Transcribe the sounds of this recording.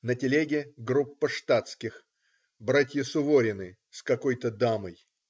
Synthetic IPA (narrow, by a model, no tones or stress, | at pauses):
nətʲɪlʲeɡʲɪɡɾupːəʂt̪at̪skʲɪx | bɾatʲjəsʊvoɾʲɪnɨ | skɐko̞jt̪əd̪aməj